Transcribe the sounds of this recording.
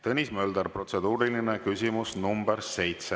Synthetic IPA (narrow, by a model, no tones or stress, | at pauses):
t̪ɤnʲismøːld̪̥ɑɾpro̞t̪se̞d̪̥uːɾilinekysʲimusnumb̥eɾse̞jt̪se